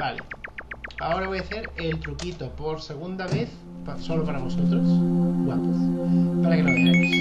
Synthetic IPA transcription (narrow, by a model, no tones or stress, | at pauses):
balḛ | a̰o̞ɾaβo̞jaθe̞ɾelt̪ɾukit̪opo̞ɾse̞ɣ̞und̪aβeθ | psolopaɾaβosot̪ɾosaɡwapaspaɾakenaθemos